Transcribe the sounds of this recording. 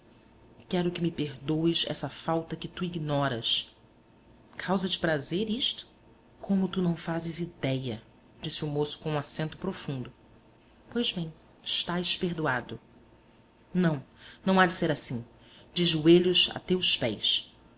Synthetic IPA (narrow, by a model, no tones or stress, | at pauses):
kɛɾʊkɪmɪpeɦd̪owɪzɛ̰sɐfawt̪ɐkɪt̪uiɡnɔɾɐs | kʰawzɐt͡ʃɪ̥pɾazeɾiʃt̪ʊ̥ | kʰõmʊt̪unɐ̃w̃fazɪzid̪ɛjɐ | d͡ʒisɪʊmosʊ̥kõũasẽnt̪ʊpɾofũnd̪ʊ | pojzbẽj̃ | ɪʃt̪ajʃpeɦd̪uad̪ʊ | nɐ̃w̃nɐ̃w̃ad͡ʒɪseɾasĩ | d͡ʒɪʒueʎʊza̰t̪ewspɛjs